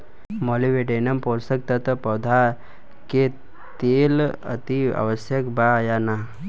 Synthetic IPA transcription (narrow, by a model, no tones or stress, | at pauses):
moliʋeɖenɐmpoːsək̚t̪ət̪pɐd̪ʱa | ke | t̪eːlə̰t̪ia̰ʋəsjəkbajana